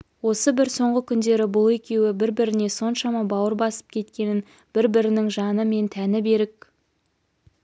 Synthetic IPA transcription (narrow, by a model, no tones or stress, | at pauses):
wo̞səbɪɾso̞ɴʁəkʲʰʏnd̪e̞ɾɪbʊlˠe̞kʲe̞wɪbɪɾbɪɾɪne̞so̞nʃɑmɑbɑwəɾbɑsə̥p̚kʲʰe̞t̪kʲe̞nɪn | b̥ɪɾbɪɾɪnɪŋʒɑnəme̞nt̪ʰænɪbe̞ɾɪk̚